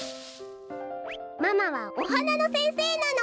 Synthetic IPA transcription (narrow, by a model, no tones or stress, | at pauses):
mamaβaoɦananosẽɰseːnana